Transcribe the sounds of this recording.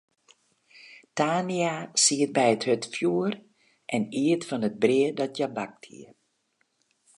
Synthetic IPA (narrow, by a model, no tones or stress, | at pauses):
taːniasiət̚bɛjəthøtfjuər | ʔɛniətfɔnət̚briədɔtjabak̚thḭə